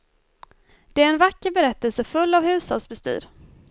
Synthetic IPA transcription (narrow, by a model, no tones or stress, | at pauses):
d̪̥ɛæɾɛnvakːəɾbɛɾɛt̪ːəlsəfɵlːavhʉ̟ːshɔ̰lsbɛst̪y̰ːɾ